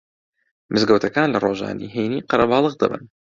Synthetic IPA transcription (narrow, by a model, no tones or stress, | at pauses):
mʔɨzɡəwt̪ʰɐkaːnlɐroʒa̰ːnḭɦejniːqɑɾɐbɑːlˠɨɣd̪ɐ̰bɨ̰n